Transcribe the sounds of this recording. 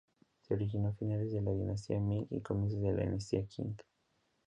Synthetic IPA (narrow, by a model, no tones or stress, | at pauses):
sɛɾikinɔfinalizalaɡinasiamiŋḭkɔmis̬izjala̰nasiakʰḭŋɡ